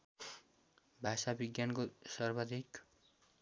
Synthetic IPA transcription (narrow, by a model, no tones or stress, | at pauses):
bʱasabiɡjankosʌrbad̪ʱik